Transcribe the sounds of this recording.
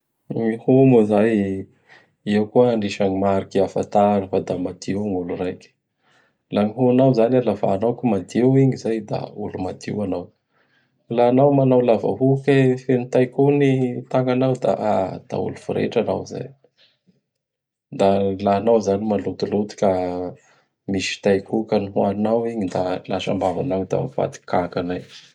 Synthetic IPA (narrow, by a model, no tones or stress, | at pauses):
mihumuzaj | ewkuəɳɖ͡ʐiʃaɲimaɾikiafa̰t̪anifad̪amad̪̥iwŋulurajkʲə̥ | laŋiɦuanawzanalava̰ːnawkʲumad̪ewiɲizajd̪a̰ulumad̪ḭwanaw | laːnawmanawlava̰ɦukefenit̪ajkunit̪aŋɡanawd̪a̰ʔad̪̥a̰ṵlufuɾḛʈ͡ʂana̰wza̰j | d̪alaːnawzanimalut̪ulut̪u̥kʲa | misi̥t̪ajkukaniɦuaninawiɲid̪alaʃa̰mbavanawit̪a̰mfa̰t̪i̥kakanaj